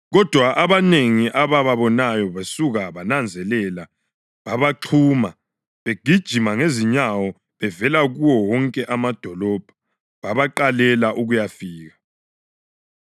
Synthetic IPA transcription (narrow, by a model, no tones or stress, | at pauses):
ɣɔd̥ʱwaʔaβaneŋiʔaβaβaβɔnajɔβasuɣaβanand͡zʱɛlɛla | βaβaǃʰuːma | βeɡ̥ʱid̥ʒ̥ʱimaŋeziɲawɔ | βɛvɛlaɣuwɔwɔŋkʼɛʔamad̥ʱɔlɔb̥ʱḁ | βaβaǃalɛlaʔuɣujafiːɣa